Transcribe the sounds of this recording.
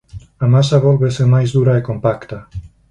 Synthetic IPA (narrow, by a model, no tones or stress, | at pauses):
amasaβolβesemajzðuɾaekompakt̪a